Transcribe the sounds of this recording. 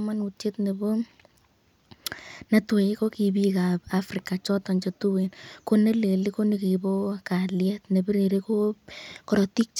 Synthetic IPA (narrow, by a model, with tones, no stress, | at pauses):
ma˦nu˨te˦tne˨bo˦ | nɐ˦two˨i˦ko˦ki˨bi˦kapafrika˨t͡ʃɔ˦tɔ˨ɲt͡ʃotu˦wenko˦ne˦le˨li˦ko˦ni˨ki˨bo˦ka˨ljɛ˦tne˨bi˦ɾeɾeko˦kɔ˨ɾɔ˨ti˦k̚t͡ʃ